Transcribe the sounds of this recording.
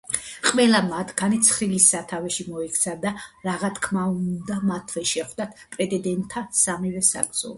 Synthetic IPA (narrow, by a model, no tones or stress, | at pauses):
qʼwɛlˠamat̪ʰɡanit̪sʰχɾilisːat̪ʰavɛʃimɔikʰt̪sʰad̪aɾaʁat̪ʰkʰmaud̪amat̪ʰvɛʃɛχd̪at̪ʰpʼɾɛd̪ɛd̪ɛnt̪ʰːasamivɛsa̰ɡ̪z̥ɔ̰